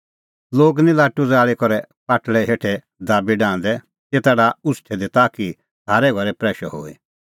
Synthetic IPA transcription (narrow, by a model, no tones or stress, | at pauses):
loːɡnĩlaːʈud͡zaːɭikɔɾɛpaːʈɭɛɦeːʈʰɛ | d̪aːbiɖãːnd̪ɛ | tet̪aːɽaʊsʈʰɛd̪it̪aːki | ɦaːɾɛɡʱɔɾɛpɾɛːʃɔ̰ɦo̰ːḭ